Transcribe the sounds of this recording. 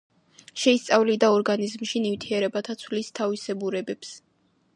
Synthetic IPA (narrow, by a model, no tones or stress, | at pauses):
ʃɛist̪sʼavlid̪aɔɾɡanizmʃinivt̪ʰiɛɾɛbat̪ʰat̪sʰvlist̪ʰavisɛbuɾɛbɛps